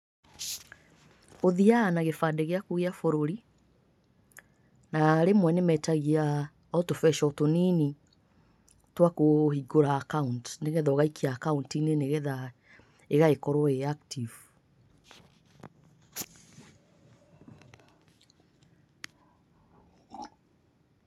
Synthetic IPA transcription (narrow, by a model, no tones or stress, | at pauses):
oðianaɣefadɛɣeakuɣeafoɾoɾi | naɾemwɛnemɛtaɣia | ɔtofɛʃɔtonini | twakohiɡoɾaːkauntneɣɛðɔɣaikʰiaːkauntineneɣɛða | eɣaekɔɾɔeaktiv